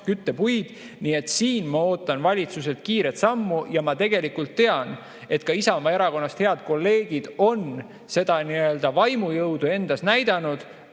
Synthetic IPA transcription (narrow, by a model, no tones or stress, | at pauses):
kyt̪ːepujd̪̥ | niːe̞t̪siːnmɑo̞ːt̪ːˑɑnvɑlʲit̪suse̞t̪kiːɾe̞t̪sɑmːujɑmɑt̪e̞ɡ̥e̞likult̪ːe̞ɑn | e̞t̪kɑisɑomɑe̞ɾɑko̞nːɑst̪heɑd̪̥ko̞lːe̞ːɡ̥id̪̥o̞n | se̞d̪̥ɑniø̞ld̪̥ɑvɑjmujɤwd̪̥ue̞nd̪̥ɑsnæjd̪̥ɑnud̪̥